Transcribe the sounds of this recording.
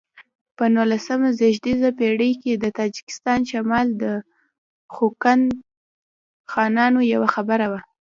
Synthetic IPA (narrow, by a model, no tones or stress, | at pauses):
pənulasamazɪʒd̪izapeɽəjked̪ət̪ɑd͡ʒɪ̥kɪ̥st̪ɑnʃamɑld̪ə | xokan | xɑnɑnojawaxabəɾawa